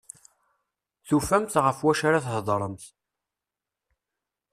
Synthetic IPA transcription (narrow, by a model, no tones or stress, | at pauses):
θufæmt̪ʁəfwæʃaɾaθhd̪ˤɾˤəmθ